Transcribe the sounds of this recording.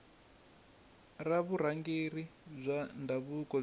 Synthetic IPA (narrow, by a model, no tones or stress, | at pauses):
raβuɾaŋɡerib͡ʐʷandʱaβukʼɔ